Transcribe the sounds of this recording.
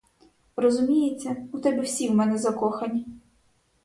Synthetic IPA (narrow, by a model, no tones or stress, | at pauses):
rɔzʊmʲijet͡sʲːɐut̪ɛbʲiwsʲiwmɛnɛzɐkɔxɐnʲi